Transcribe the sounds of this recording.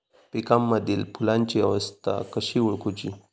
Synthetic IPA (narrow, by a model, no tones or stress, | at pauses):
pekamːad̪ilpʰulant͡ʃia̰wast̪a̰kaʃiwuɭkut͡ʃi